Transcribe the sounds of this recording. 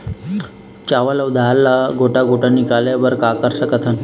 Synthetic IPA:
t͡ɕaʋəlaud̪ʱalːaɡʱoʈaɡʱoʈanikaljaʋəɾkakəɾsəkət̪ʰən

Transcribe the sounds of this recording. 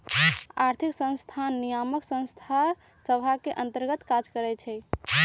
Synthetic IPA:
aɾt̪ʰiksə̃nst̪ʰanːijaməksə̃nst̪ʰa | səbʱakeʔənt̪əɾɡət̪kad͡ʒkəɾɛt͡ʃʰɛ

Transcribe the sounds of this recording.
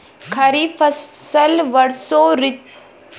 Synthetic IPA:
kʰɐɾifɐəlʋɐɽsoːɾɪ

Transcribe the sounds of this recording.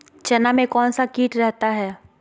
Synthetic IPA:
t͡ʃɛnamẽkɔːnsakiːʈɾɛɦt̪aɦɛː

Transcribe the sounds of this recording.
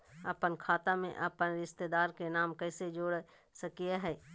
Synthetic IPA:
ɐpənkʰaːt̪amḛ̃ʔɐpənɾɪʃt̪ed̪aːɾkenaːmkɛːsed͡ʒoːɽ | səkijaɦɛː

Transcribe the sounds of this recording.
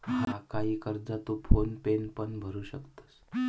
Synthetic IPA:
hakaɦiːkəɾd͡zat̪ufʰonpenpənbʱəɾuːɕəkt̪ə̥s

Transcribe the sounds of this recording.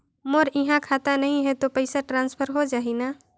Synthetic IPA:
moɾɪɦãkʰaːt̪anɐɦĩɦɛt̪opəɪsaʈɾãːnspʰəɾɦod͡ʒaːɦinaː

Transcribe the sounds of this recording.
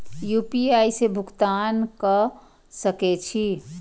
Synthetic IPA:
juːpiaːisebʱʊkt̪aːnkə | səket͡ʃʰi

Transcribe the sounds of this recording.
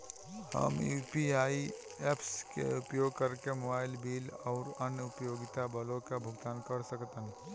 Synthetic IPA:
hɐ̰muːpiaːi | epʰskḛʊpjoːɡ̚kɐɾkemobaːɪlbiːlɔːɾənʊpjoːɡɪt̪abɐlõkabʱʊɡt̪aːnkɐɾsəkt̪ən

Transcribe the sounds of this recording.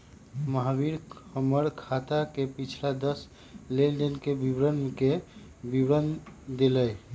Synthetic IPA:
məɦabiɾhəməɾkʰat̪akepit͡ʃʰlad̪əs | lelɖenkebibɾənke | bibɾənd̪eləj

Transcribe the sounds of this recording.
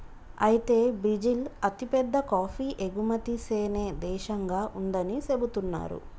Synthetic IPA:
ɐjit̪e̞ːbɾid͡ʒilɐt̪ipɛd̪ːɐkaːpʰiːʔeɡumɐt̪iseːneːd̪ɛːʃɐŋɡaːʔund̪ɐnise̞but̪unːa̰ːɾṵ

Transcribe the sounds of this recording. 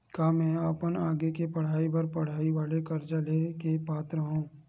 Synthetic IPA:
kaːmɛ̃ːəpənaːɡekepɐɽ̤aːibɐɾpɐɽ̤aːiʋaːlekɐɾd͡ʒəlekepaːt̪ɾəɦũː

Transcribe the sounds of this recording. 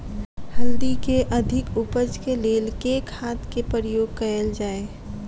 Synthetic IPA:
həld̪ikeʔəd̪ʱɪkupət͡ʃkeleːlkekhaːt̪ʰkepəɾjoːɡ̚kəjəld͡ʒaːe

